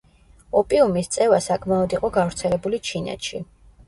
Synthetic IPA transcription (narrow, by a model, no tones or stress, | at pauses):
ɔpʼiumist̪sʼɛvasakʼʰmaɔd̪iqʼɔɡavɾt̪sʰɛlɛbulit͡ʃʰinɛ̰t̪ʃi